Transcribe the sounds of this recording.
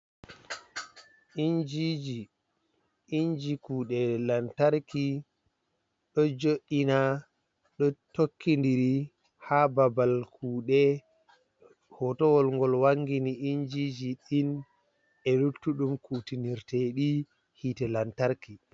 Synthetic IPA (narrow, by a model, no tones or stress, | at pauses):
ind͡ʒid͡ʒi | iɲd͡ʒikuːɗɛlantaɾki | ɗɔd͡ʒoɗina | ɗɔtokːindiɾi | hababalkʰuːɗɛ | hɔtɔwɔlŋɡɔlwaŋɡiniʔind͡ʒid͡ʒiɗin | ɛlutːuɗumkutiniɾtɛɗi | hitɛlantaɾki